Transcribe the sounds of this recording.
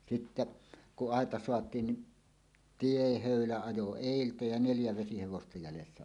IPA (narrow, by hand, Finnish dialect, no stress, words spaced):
sitːe kuʔ ʔɑˑetɑ soɑtˑiːn ni tiehøˑylæ ɑjo eˑiltæ jɑ neljæ ʋesiheʋostɑ jælesːæ